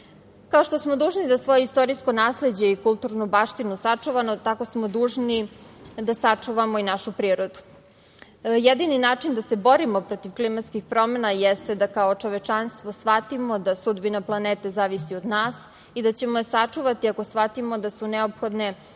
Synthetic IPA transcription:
kao̞ʃt̪o̞smod̪uːʒnid̪asʋo̞jeist̪o̞ɾisko̞naːsle̞d͡ʑe̞ikulˠt̪uɾnubaʃt̪inusat͡ʂuʋanot̪ako̞smo̞d̪uːʒnid̪asat͡ʂuʋamoinaʃupɾiːɾo̞d̪u̥ | jed̪ininaːt͡ʂind̪ase̞bo̞ɾimo̞pɾo̞t̪iʋklimat̪skixpɾo̞menajɛst̪e̞d̪akao̞t͡ʂo̞ʋet͡ʂanst̪ʋo̞sʋat̪imod̪asud̪binaplˠaneːt̪e̞zaːʋisiod̪naːs | id̪at͡ɕe̞mosat͡ʂuʋat̪iako̞sʋat̪imo̞d̪asuneopxo̞d̪ne̞

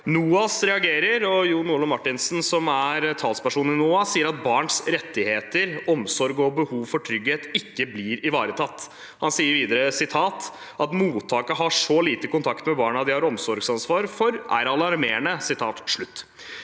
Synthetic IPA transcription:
nuːɑsɾɛɑɡeːɾəɾɔjuːnuːɭɔmɑʈːɪnsn̩sɔmæɾt̪ʰɑːlspæʂuːn̩ɪnuːɑsiːəɾɑt̪̚bɑːɳsɾɛt̪ːɪheːt̪əɾɔmsɔɾɡɔbəhuːʋfɔʈʰɾʏɡheːt̪ɪkːəblɪɾɪʋɑːɾət̪ʰɑt̪ː | hɑnsiːəɾʋiːd̪əɾəsɪt̪ʰɑːt̪ | ʔɑt̪muːt̪ʰːɑːkəɦɑʂɔliːt̪əkʊnt̪ʰɑkt̪mɛbɑːɳɑd̪ɪhɑɾɔmsɔɾɡsɑnsʋɑːɾfɔɾæ̰ɾɑlɑɾmeːɳəsɪt̪ʰɑ̰ːt̪ʂɭʉt̪ː

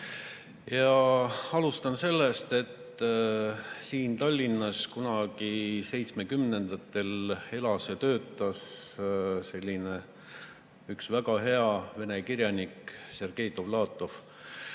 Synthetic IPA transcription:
jɑɑlust̪ɑnse̞lːe̞st̪e̞t̪ː | siːnt̪ɑlʲːinːɑskunɑɡise̞jt̪sme̞kymne̞nd̪̥ɑt̪ːˑe̞le̞lɑset̪ø̞ːt̪ːˑɑs | se̞lʲːine | yksvæɡɑɦe̞ɑve̞ne̞kirjɑnikse̞rɡ̥ejt̪o̞vlɑːt̪ːˑo̞f

